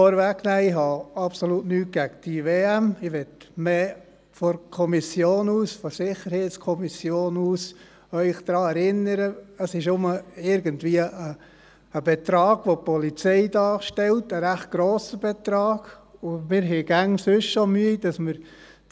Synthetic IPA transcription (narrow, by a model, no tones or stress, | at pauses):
ɔɾvæknæːɪɦɑɑpsolutnyːt̚ɡ̥æɡd̥iveːæmɪʋɛtmeː | fɔɾkʰɔmisjoːnuːsfɔsɪχəɾhɛɪtskʰɔmisjoːnuːs | œʏχd̪̥ɾɑːɛɾɪnəɾəəsɪʃnʊməɪɾɡəntvʋiəəː | b̥ɛt̪ɾɑːɡ̥ʋopɔlit͡sɛɪdɑːʃtɛltəɾæχt̚ɡ̥ɾoːsəb̥ɛt̪ɾɑːɡ̥ʊmɪːɾɦɛɪɡ̥æŋsʏʃʃomyəid̥ɑsməɾ